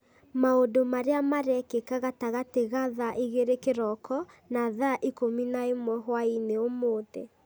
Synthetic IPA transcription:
maodomaɾeamaɾɛkekaɣataɣateɣaðaʔeɣeɾekeɾɔkʰɔ | naːðaʔikominaemwɛɦwaineomoːtɛ̰

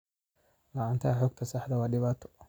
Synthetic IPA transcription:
lɑʕɑːnt̪ʰɐħɔːɡ̚t̪ʰɐsɑħd̪ɐwɑːɖɪβaːt̪ʰɔ̥

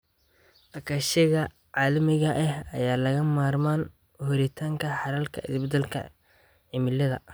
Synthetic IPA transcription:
ʔɐkʰɐʃɪɣɐ | ʕaːlɐmɪɣɐʔɛhɐ̰jaːlɐɣɐmaːrmaːn | hʊɾɛt̪ʰaːŋkʰɐħɑɾɐlkʰɐ̰ɪ̰sbɐd̪ɛlkʰɐ̰ | ʕɪmɪlɐðɐ̰

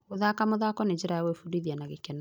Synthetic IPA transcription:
oðakamoðakɔneɲd͡ʒeɾajawefudiðianaɣekɛna

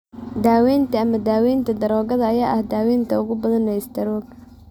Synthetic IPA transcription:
d̪aːwɛːnt̪ʰɐɐmɐd̪aːwɛːnt̪ʰɐd̪ɐɾɔːɣɐðɐɐjaːʔɐhd̪aːwɛːnt̪ʰɐʊɣʊbɐðɐnɛɪsd̪ɐɾɔːɡ

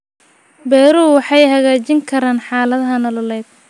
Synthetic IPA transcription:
bɛːɾuːwɑħɑjɦɐɣaːt͡ʃɪŋkʰɐɾaːnħɑːlɐðɐɦɐnɔlɔlɛːd̪̥̚

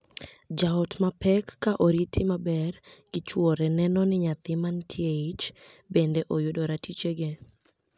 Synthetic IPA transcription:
d͡ʒaɔtmapɛkːaʔoɾitʰɪmabɛrɡ̥ɪt͡ʃwɔɾɛnɛnɔnɪɲat̪ɪmantʰieit͡ʃbend̪eʔojʊdoɾatʰit͡ʃeɡe

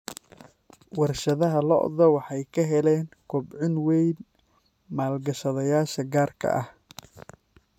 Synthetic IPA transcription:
wɑrʃɐðɐɦɐlɔ̰ʔðɐwɑħɑjkʰɐɦɛlɛːŋkʰɔbʕʊnwɛjn | maːlɡɐʃɐðɐjaːʃɐɡaːrkʰɐ̰ʔɐh

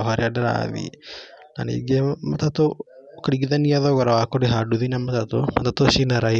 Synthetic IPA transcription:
ɦaɾeadaɾa̰ðḭna̰nḭɡematatokeɾiɣiðaniaðɔɣɔɾawakoɾeɦaduðinamatatomatatoʃinaɾai

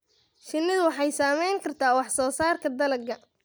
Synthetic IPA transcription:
ʃɪnːɪðʊwɑħɑjsaːmɛjŋkʰɐrt̪ʰaːwɑħsɔːsaːrkʰɐd̪ɐlɐɡɐ

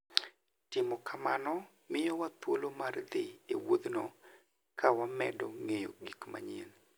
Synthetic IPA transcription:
tɪmɔkʰamanɔ | mɪjɔwat̪wolomard̪ɪewod̪nɔ | kʰawamɛdɔŋejo̰ɡikma̰ɲen

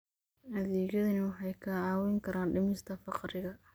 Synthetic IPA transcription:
hɐðiːɡjɐðɐnɐwɑħɑjkʰɐʕɑːwɪŋkʰɐɾʔaːnɖɪmɪst̪ʰɐfɑqɾɪɣɐ

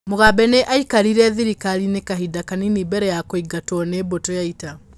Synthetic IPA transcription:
moɣabɛneʔaikaɾiɾɛðiɾikaɾinekaɦidakaninibɛɾɛjakoiɡatwɔnebotojaita

